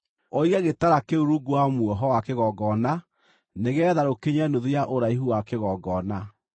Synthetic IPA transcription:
ɔiɣɛɣetaɾakeuɾuɡuamwɔɦɔwakeɣɔɡɔna | neɣɛːðaɾokeɲanoðijaʔoɾaiɦuwakeɣɔɡɔna

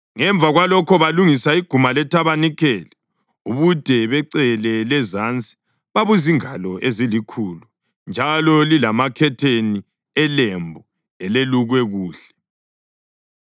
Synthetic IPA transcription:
ŋɛɱb̪vʱaɣwalɔkʰɔβaluŋisaiɡ̥ʱumalɛtʰaβanikʰɛːlɛ | uβud̥ʱɛβɛǀɛlɛlɛzant͡sʼi̥ | βaβuziŋalɔʔezilikʰuːlu | nd͡ʒʱalɔlilamakʰɛtʰeni | ɛlembʱu | ɛleluɣwɛɣuːɬɛ̥

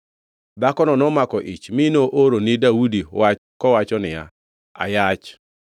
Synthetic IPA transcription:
d̪akɔnɔnɔmakɔʔḭt͡ʃmɪnoʔoɾonɪdawudiwa | kɔwat͡ʃɔnɪja̰ | a̰jat͡ʃ

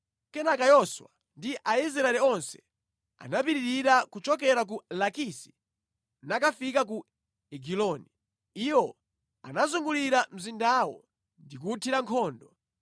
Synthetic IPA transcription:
kɛnakajɔswa̰ | ndiʔais̬ɾaɛlɛɔnsɛ̥ | a̰napiɾiɾiɾakut͡ʃɔkɛɾak̬ulakisi̥ | nakafikak̬u | ɛɡilɔni | iwɔ | a̰nazuŋɡuliɾam̩zindaːwɔ̰ | ndik̬utʰiɾaŋkʰɔːndɔ

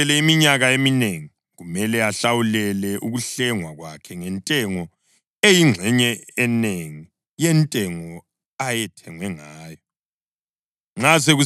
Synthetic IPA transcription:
ɛlɛimiɲaɣaemineŋi | ɣumɛlɛaɬawulɛlɛʔuɣuɬɛŋwaɣwakʰɛŋɛntʼɛŋɔ | ejiŋ͡ǁʱɛɲɛːneŋi | jɛntʼɛŋɔ | ajɛtʰɛŋwɛŋaːjɔ | ŋ͡ǁas̬eɣu

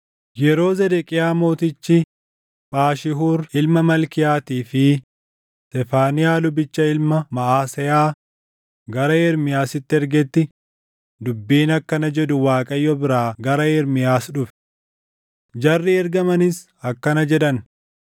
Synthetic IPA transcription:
jɛɾo̞ːzɛd̪ɛkʼɪjaːmo̞ːt̪ɪt͡ʃːɪ | pʼaːʃɪɦuːɾɪlmɐmɐlkɪjaːt̪iːfɪ | t̪ɛfaːnɪjaːlʊbɪt͡ʃːɐɪlmɐmɐʔaːsɛjaː | ɡɐɾɐɛɾmɪjaːsɪt̪ːɪɛɾɡɛt̪ːɪ | d̪ʊbːiːnɐkːɐnɐd͡ʒɛd̪ʊwaːkʼɐjːɔbɪɾaːɡɐɾɐɛɾmɪjaːsᶑʊfɛ̥ | d͡ʒɐrːɪɛɾɡɐmɐnɪs | ɐkːɐnɐd͡ʒɛᶑɐn

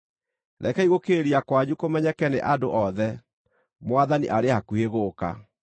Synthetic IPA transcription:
ɾʔɛkɛiɣokeɾiakwaɲukomɛɲɛkɛneʔadoʔɔðɛ | mwaðanḭʔaɾehakueɣoːka̰

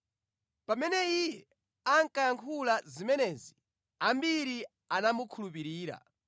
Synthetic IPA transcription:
pamɛnɛijɛ | aŋ̩kajaŋkʰulazimɛnɛːzi | ambiɾi | anamukʰulupiɾiːɾa̰

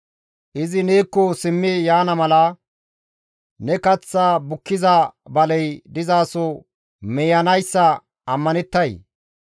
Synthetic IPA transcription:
ʔɪzɪneːkːɔsɪmːɪjaːnɐmɐlɐ | nɛkɐt͡sːaːbʊkːɪzɐbɐlɛjd̪ɪzaːsɔ | mɛjɐnɐjsːɐ | ʔɐmːɐnɛt̪ːɐj

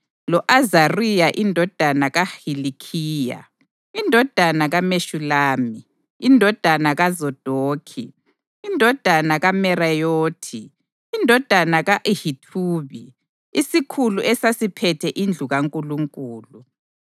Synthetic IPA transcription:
lɔʔazarijaʔindʱɔd̥ʱanaɣahilikʰiːja̰ | indʱɔd̥ʱanaɣameʃulaːmi | indʱɔd̥ʱanaɣazɔd̥ʱoːkʰḭ | indʱɔd̥ʱanaɣamɛrajoːtʰiː | ndʱɔd̥ʱanaɣaʔhitʰuːβi | isikʰuluʔɛsasipʰɛtʰɛʔind͡ɮʱuɣaŋkʼuluŋkʼuːlu

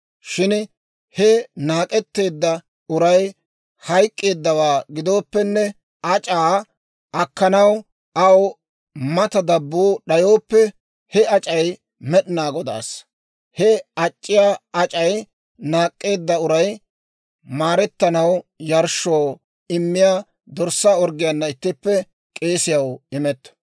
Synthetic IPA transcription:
ʃɪn | hɛnaːkʼɛt̪ːe̞ːd̪ːɐ | ʊɾɐj | hɐjkʼːe̞ːd̪ːɐwaːɡɪd̪o̞ːpːɛnːɛ | ʔɐt͡ʃʼaː | ʔɐkːɐnɐw | ʔɐw | mɐt̪ɐd̪ɐbːoːɗɐjo̞ːpːɛ | hɛɐt͡ʃʼɐj | mɛɗɪnaːɡɔd̪a̰ːs | hɛɐt͡ʃʼːɪjaːɐt͡ʃʼɐj | naːkʼːe̞ːd̪ːɐʊɾɐj | maːɾɛt̪ːɐnɐwjɐɾʃoː | ɪmːɪjaː | d̪ɔɾsaɔɾɡɪjɐnːɐɪt̪ːɪpːɛ | kʼe̞ːsɪjɐwɪmɛt̪ːɐ̥

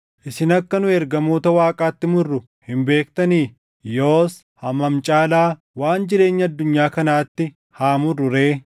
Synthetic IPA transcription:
ʔɪsɪnɐkːɐnʊɛɾɡɐmo̞ːt̪ɐwaːkʼaːt̪ːɪmʊrːʊ | hɪmbe̞ːkt̪ɐniːf | joːs | hɐmɐmt͡ʃʼaːlaː | waːnd͡ʒɪɾe̞ːɲːɐɐd̪ːʊɲːaːkɐnaːt̪ːɪ | haːmʊrɾʊɾeː

